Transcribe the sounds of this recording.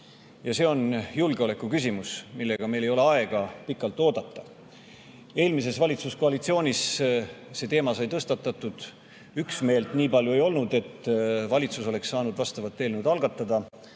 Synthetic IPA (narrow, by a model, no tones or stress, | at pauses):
jɑse̞o̞njulɡ̥eo̞le̞kːˑukys̬ʲimusmilːe̞ɡ̥ɑme̞jle̞jo̞le̞ɑe̞ɡ̥ɑpikːˑɑlt̪ˑːo̞ːd̪̥ɑt̪ːˑɑ | e̞ːlmis̬e̞svɑlʲit̪susko̞ɑlit̪sio̞ːnʲis | se̞ːt̪e̞ːmɑsɑjt̪ɤst̪ɑt̪ːˑɑt̪ˑːud̪̥ | yksme̞ːlt̪niːpɑljue̞jo̞lnud̪e̞t̪ːvɑlʲit̪suso̞le̞ksːɑːnud̪vɑst̪ɑvɑt̪ːe̞ːlnud̪ɑlɡ̥ɑt̪ˑːɑd̪̥ɑ